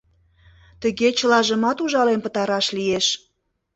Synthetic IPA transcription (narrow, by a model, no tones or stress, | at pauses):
t̪əɣet͡ɕəlɑʒə̆mɑt̪uʒɑlenpə̆t̪ɑɾɑʃlieʃ